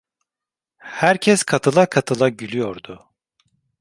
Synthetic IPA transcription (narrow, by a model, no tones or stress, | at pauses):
hæɾcʰɛskʰat̪ʰɯlˠakʰat̪ʰɯlˠaɟylʲyjoɾd̪ʊ